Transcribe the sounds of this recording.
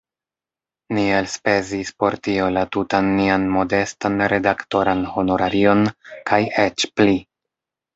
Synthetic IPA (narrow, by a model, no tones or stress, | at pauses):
nielspe̞zispo̞ɾtio̞latutanːianmo̞de̞stanɾe̞dakto̞ɾanho̞no̞ɾaɾio̞nkʰaje̞t͡ʃpli